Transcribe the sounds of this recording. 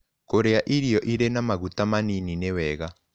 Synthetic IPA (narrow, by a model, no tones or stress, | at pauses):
koɾeaʔiɾiɔʔiɾenamaɣutamanininewɛɣa